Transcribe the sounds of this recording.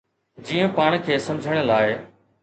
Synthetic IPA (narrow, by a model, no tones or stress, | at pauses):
d͡ʑiːə̃paːɽ̃kʰeːsɐ̃md͡ʑʱəɽ̃ə̆laːɪ